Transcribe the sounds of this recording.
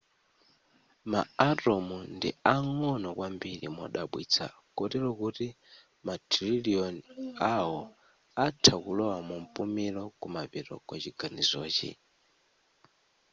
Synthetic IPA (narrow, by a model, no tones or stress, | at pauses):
ma̰atɔmundiaŋɔnɔkwambiɾḭmɔ̰ɗaɓwḭːt͡sʰa̰ | kɔtiɾɔkuti | matʰɾiliɔnaɔ | atʰakulɔwamumpumilɔkumapiɾɔ̰kwat͡ʃiɡ̥anizɔːt͡ʃḭ